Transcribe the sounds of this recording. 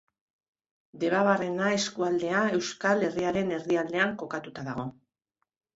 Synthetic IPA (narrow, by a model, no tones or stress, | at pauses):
d̪e̞βaβarenae̞skuald̪e̞ae̞wskale̞riaɾe̞ne̞riald̪e̞aŋko̞kat̪ut̪aðaɣ̞o̞